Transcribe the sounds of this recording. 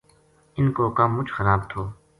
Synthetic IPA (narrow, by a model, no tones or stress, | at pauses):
ɪnkokamːʊt͡ʃʰxəɾaːbt̪ʰoː